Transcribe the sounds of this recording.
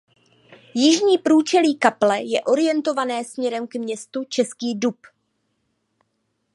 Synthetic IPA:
jɪʒɲiːpɾuːt͡ʃɛliːkaplɛjɛʔo̞ɾɪjɛnt̪o̞vanɛːsmɲɛɾɛmkmɲɛst̪ut͡ʃɛskiːdup

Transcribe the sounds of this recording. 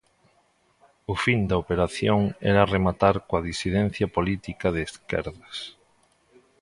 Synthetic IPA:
ʊfind̪aopeɾaθjoŋɛ̰ɾaremat̪aɾkoaðisiðɛnθjapolit̪ikaðeːskɛ̰ɾðas

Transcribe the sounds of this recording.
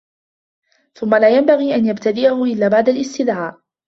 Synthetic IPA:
θʊmːalaːjambaɣiːʔanjabt̪ad̪ɪʔahʊʔɪlːaːbaʕd̪alʔɪst̪ɪðʕaːʔ

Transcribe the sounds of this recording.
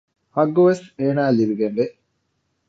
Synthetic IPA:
hɐɡːoʋeseːnaːliɾiɡenʋeʔ

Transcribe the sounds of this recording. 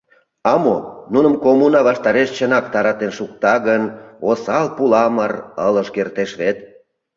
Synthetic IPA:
ɑmonunəmkomunɑβɑʃt̪ɑɾeʃt͡ɕənɑkt̪ɑɾɑt̪enʃuk̚t̪ɑɣənosɑlpulɑmərələʃkert̪eʃβet̪̚

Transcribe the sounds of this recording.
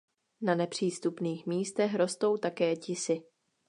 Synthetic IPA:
nanɛpr̝̥iːst̪upniːxmiːst̪ɛxɾo̞st̪o̞wt̪akɛːcɪsɪ

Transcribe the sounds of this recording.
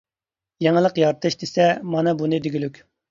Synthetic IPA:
jeŋəlˠəqjɑɾt̪ʰɨʃd̪esɛmɑnɨbunɨd̪eɡʲylykʲ

